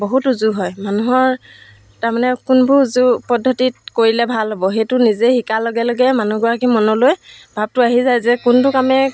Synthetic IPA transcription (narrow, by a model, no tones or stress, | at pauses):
boɦutuzuɦɔjmanuɦɔɹ | taɹmanɛkʊnbʊzupɔdʱːɔtit̚koɹilɛbʱalɦobɔxejtʊnizɛxikaloɡɛloɡɛmanuɡɔak̬imɔnɔlojbʱab̚tʊaɦizajzɛkʊntʊkamɛ